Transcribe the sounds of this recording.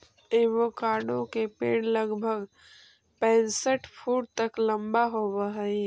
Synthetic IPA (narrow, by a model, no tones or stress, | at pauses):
eʋokaːɾɽõkepeːɽləɡbʱəɡ | pɛ̃ːnsəʈpʰuːʈ̚t̪əklə̃mbaɦobəɦəi